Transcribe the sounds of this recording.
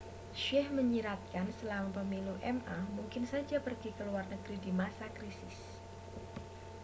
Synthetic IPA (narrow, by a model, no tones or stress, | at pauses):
ʃɛhməɲiɾat̪̚kansəlaapəmiluʔɛmamuŋkɪnsad͡ʒapərɡikəluarnəɡɾidimasakɾisɪs